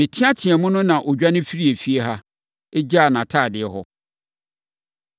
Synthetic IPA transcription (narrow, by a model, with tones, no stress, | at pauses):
mɪ̃˨tʰɪ̃˦a˦tʰɪ˨ɛ˨mʊ̃˦nʊ̃˦nã˨ʔo˨d͡ʑᶣa˦nɪ̃˦fi˦ɾi˦e˨fi˦e˦ɦa˦ | e˦d͡ʑa˦˨nã˨tʰaː˦˨dɪ˨ɛ˨ɦɔ˦